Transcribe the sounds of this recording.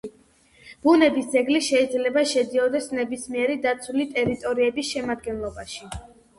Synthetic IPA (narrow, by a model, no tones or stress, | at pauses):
b̥unɛbisd̪zɛɡliʃɛid̪zlɛbaʃɛd̪iɔd̪ɛsnɛbismiɛɾid̪at̪sʰulit̪ʼɛɾit̪ʼɔɾiɛbisʃɛmad̪ɡɛnlˠɔbaʃi